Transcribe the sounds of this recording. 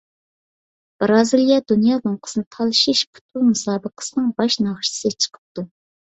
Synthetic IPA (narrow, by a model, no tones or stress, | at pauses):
b̥ɾɑzɨlˠjɑd̪unjɑːloŋqʰə̥sɨnɨt̪ʰɑlˠʃiʃpʰu̥t̪̚umusɑːbəqʰə̥sɨnɨŋbɑʃnɑχʃsɨt͡ʃʰə̥qʰə̥p̚t̪u